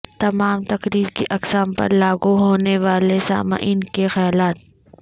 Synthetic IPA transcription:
t̪ɐmaːmt̪ɐkɾiːɾkeʔɐksaːmpɐ̰ɾlaːɡuɦoːneʋaːlesa̰ːma̰ʔɪːnkexɐjaːlaːt̪̚

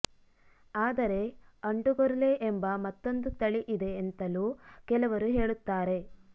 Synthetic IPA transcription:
aːd̪ɐɾe̞ɐɳʈuɡoɾɐleʔembɐmɐt̪ːo̞nd̪ut̪ɐɭiʔid̪e̞ːnt̪ɐluːkɛlɐʋɐɾuɦe̞ːɭut̪ːaːɾe̞

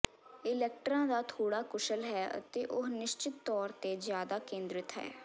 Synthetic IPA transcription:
ɪlɛːk̚ʈɾãːd̪aːt̪ʰoːɽaːkʊʃəlɦɛːə̰t̪eːʔʊɦnɪʃt͡ʃɪt̪ːɔːɾt̪eːzjaːd̪aːkẽːnd̪ɾɪt̪ɦɛ̰ː

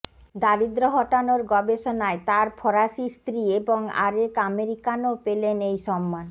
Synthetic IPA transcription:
d̪aɾid̪ɾoɦɔʈanoɾɡɔbeʃonaet̪aɾpʰɔɾaʃist̪ɾieboŋa̰ɾekameɾikanopelenejʃɔmːan

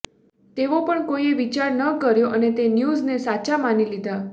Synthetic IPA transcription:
t̪eʋopəɳkoieʋit͡ʃaɾnəkəɾjoʔənet̪enjuznesat͡ʃamanilid̪ʱa

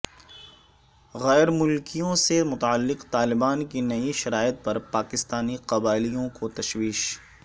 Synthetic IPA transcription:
ɣɛːɾmʊlkijõsemʊt̪aəlːɪqt̪aːlɪbaːnkinɐiʃɐɾaːɪət̪̚pɐɾpaːkɪst̪aːniqɐbaːɪlijõkot̪ɐʃwiːʃ

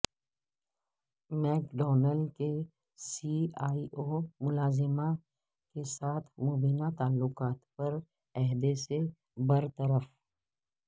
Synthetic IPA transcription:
mɛːkɖɔːnəlɖke | siːaːiʔoːmʊlaːzɪmã | kesaːt̪ʰmoːbiːnat̪aːlːʊkaːt̪pɐɾ | ɛɦd̪ese | bɐɾt̪ɐɾəf

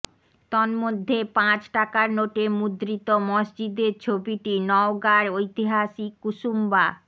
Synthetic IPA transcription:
t̪ɔnmod̪ʱːepãt͡ɕʈakaɾnoʈemud̪ɾit̪omɔʃd͡ʑid̪eɾt͡ɕʰobiʈinɔoɡaɾojt̪iɦaʃikuʃumba

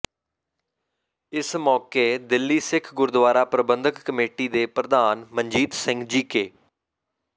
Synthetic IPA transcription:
ɪsmɔːkeːd̪ɪlːiːsɪkʰɡʊɾd̪ʋaːɾaːpɾəbənd̪ʱəkːəmeːʈiːd̪eːpɾəd̪aːnməɲd͡ʒiːt̪sɪ̃ŋɡd͡ʒiːkeː

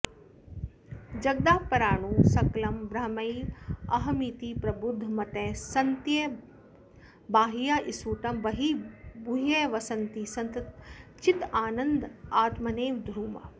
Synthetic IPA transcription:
d͡ʒɐɡ̚d̪aːpɐɾaːɳuːsɐklɐmbɾɐɦmɐiɐɦɐmiːt̪iːpɾɐbud̪ʱmɐt̪eːsɐnt̪je | baːɦijaːʔisuːʈɐmʋɐɦiːbuɦeːʋɐsɐnt̪iːsɐnt̪t͡ʃit̪aːnɐ̃nd̪aːt̪mɐneːʋd̪ʱɾuːmɐ̰

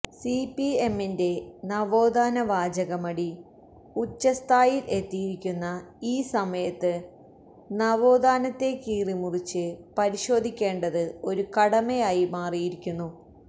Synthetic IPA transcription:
sipie̞mːinde̞nɐʋoːd̪aːnɐʋaːd͡ʑɐɣɐmɐɽi | ut͡ɕːɐst̪ʰaːjile̞t̪ːijiɾikʲːunːɐiːsɐmɐjɐt̪ːɨ | nɐʋo̞ːd̪aːnɐt̪ːe̞kiːrimurit͡ɕːɨpɐɾiɕo̞ːd̪ʱikʲːe̞ːɳɖɐðɨo̞ɾukɐɽɐmejaːjimaːrijiɾikʲːunːu

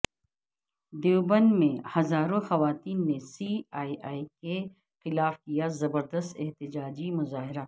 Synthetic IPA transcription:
d̪ebənmẽhɐzaːɾõxɐʋaːt̪iːnːesiːaːiʔaːike | xɪlaːfkijazɐbəɾd̪əst̪ɛɦt̪ɪd͡ʒaːd͡ʒimʊzaːɦɪɾa

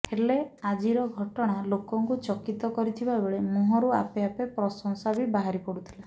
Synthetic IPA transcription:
helead͡ʒiɾɔɡʱɔʈɔɽ̃alokɔŋkut͡ʃɔkit̪ɔkɔɾit̪ʰibabeɭemuɦɔɾua̰peapepɾɔsɔŋ̃sabibaɦaɾipɔɽut̪ʰi̥la

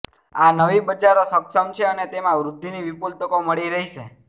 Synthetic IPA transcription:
anəʋibət͡ʃaɾosəksəmt͡ʃʰeənet̪emãʋɾʊd̪ʱːiniʋipult̪əkoməɭiɾəɦit͡ʃʰe

